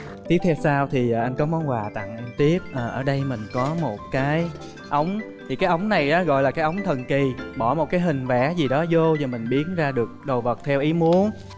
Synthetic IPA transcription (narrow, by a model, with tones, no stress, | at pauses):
t̪i˦˥əp̚t̪ʰɛ˧wsaː˧wt̪ʰi˨˩ʔaː˨˩ʔa˧ŋ̟kɔ˨˦mɔ˨˦nwaː˨˩t̪a̰˧˨ŋʔa˧ŋ̟t̪i˦˥əp̚ʔəː˨˩ʔəː˧˩ɗə˧jmï˨˩ŋ̟kɔ˨˦mo˨˩t̚kaː˨˦j | ʔə˨˦wŋ͡mt̪ʰi˨˩kaː˨˦jʔə˨˦wŋ͡mna˨˩jʔɔː˨˦ɣɔ̰˧˨jlaː˨˩kaː˨˦jʔə˨˦wŋ͡mt̪ʰə˨˩nki˨˩ɓɔ˧˩mo˨˩kaː˨˦jɦï˨˩ŋ̟vɛ˧˩zi˨˩ɗɔ˨˦zo˧zɔ˨˩mï˨˩ŋ̟ɓi˨˦ənzaː˧ɗɨ˨˩ək̚ɗo˨˩və˨˩t̚t̪ʰɛ˧wʔi˨˦mu˨˦ən